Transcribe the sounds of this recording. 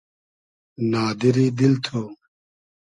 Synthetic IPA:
naːd̪iɾiːd̪ilt̪ʰoː

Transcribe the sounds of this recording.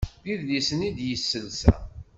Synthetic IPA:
ðiðlisənid̪jəsːəlsæ̰

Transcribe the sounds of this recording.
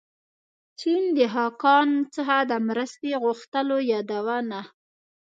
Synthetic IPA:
t͡ʃind̪əɦɑkɑnt͡səxad̪əmɾəst̪eɣʊxt̪əlojɑd̪awəna

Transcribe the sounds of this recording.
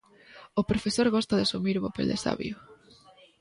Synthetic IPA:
opɾofesoɾɣɔst̪ɐðɪasumiɾβopeld̪ḛsa̰βj̰ʊ

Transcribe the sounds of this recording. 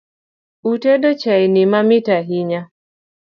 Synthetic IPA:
utedot͡ʃainimamitaɦiɲa

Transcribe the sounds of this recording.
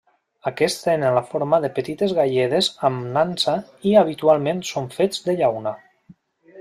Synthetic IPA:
akɛst̪enenlafoɾmaðepət̪it̪ezɣaʎeð̞ezamnansa | iaβ̞it̪ualˠmẽnsoɱfed͡zðəʎawna

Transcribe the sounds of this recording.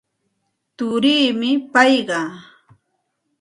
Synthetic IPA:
t̪ʊɾiːmɪpɑjɢɑ

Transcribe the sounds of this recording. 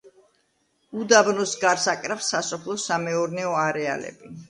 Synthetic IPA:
ud̪abnɔsɡaɾsakʼɾafsːasɔpʰlˠɔsamɛɔɾnɛɔaɾɛa̰lɛ̰bi

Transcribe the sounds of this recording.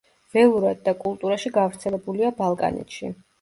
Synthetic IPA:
v̥ɛlˠuɾad̪̚d̪akʼulˠt̪ʼuɾaʃiɡavɾt̪sʰɛlɛbuliabalˠkʼa̰nɛ̰t̪ʃḭ

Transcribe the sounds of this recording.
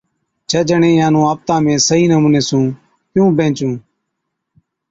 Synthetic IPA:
t͡ʃʰeːd͡ʒəɳẽːjãːnũːaːp̚t̪ãːmẽːsəɦiːnəmuːneːsũː | t̪jũːbʱẽːt͡ʃũː

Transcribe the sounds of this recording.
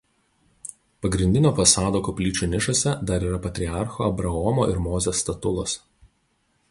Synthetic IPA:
pɐɡɾʲɪnʲd̪ʲɪnʲoːfɐsɑːd̪oːkɔpʲlʲiːt͡ʃʲuːnʲɪʃosʲɛd̪ɐɾiːɾɐpɐt̪ʲɾʲɪɑˑɾxoːɐbɾɐɔmoːʔɪɾmoːzʲɛst̪ɐt̪ʊlˠos

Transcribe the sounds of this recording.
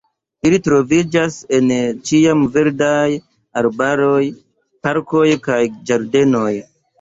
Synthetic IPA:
ilitɾo̞vid͡ʒase̞nt͡ʃiamve̞ɾdaj | aɾbaɾo̞j | paɾko̞jkajd͡ʒaɾde̞no̞j

